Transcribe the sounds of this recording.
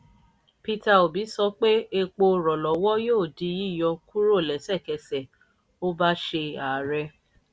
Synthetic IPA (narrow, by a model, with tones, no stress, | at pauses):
pi˧ta˧o˨bi˨˦sɔ˦k͡pe˦e˧k͡po˧ɾɔ˨lɔ˨˦wɔ˦joː˦˨di˨˧˦ji˦˨jɔ˧ku˦ɾo˦˨lɛ˨˦sɛ˦˨kɛ˧sɛ˨ | o˦ba˦ʃe˧a˨ɾɛ˧